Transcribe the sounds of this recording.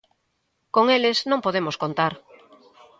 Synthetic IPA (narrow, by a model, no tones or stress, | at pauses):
koŋeleznõmpoð̞emoskõnt̪aɾ